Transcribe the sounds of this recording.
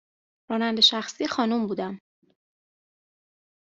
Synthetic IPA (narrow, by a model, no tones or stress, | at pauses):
ɾɒːnænd̪e̞ʃæxsiːxɒːnumbuːd̪æm